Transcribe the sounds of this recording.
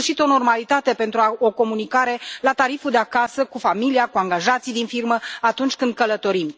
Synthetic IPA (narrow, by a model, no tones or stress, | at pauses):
ʃit̪o̞no̞rmalit̪at̪e̞pe̞nt̪ɾuaoko̞munikaɾe̞lat̪aɾifud̪eakasəkufamiliakuaŋɡaʒat̪sijd̪infirməat̪unt͡ʃʲkɨnd̪̚kələt̪o̞ɾim